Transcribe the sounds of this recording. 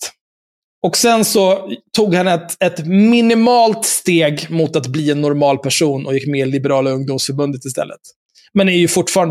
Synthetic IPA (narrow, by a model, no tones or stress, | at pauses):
ɔksɛnsɔt̪ʰːuːɡhanːɛt̪ɛt̪mɪnɪmɑːlt̪st̪eːɡmʊt̪at̪bliːɛnːɔɾmɑːlpʰæʂuːnɔjɪkːmɛɪlɪbɛɾɑːlaɵŋd̪ʊmsfœɾbɵnd̪ət̪ɪst̪ɛ̰lːə̰t̪ | mɛnæɾjɵfʊʈːfɑːɾan